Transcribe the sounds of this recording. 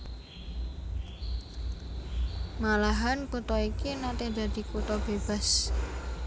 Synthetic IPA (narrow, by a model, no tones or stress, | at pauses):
malaɦankut̪ɔikinat̪ed̪̥ä̤d̪̥i̤kut̪ɔb̥eb̥a̤s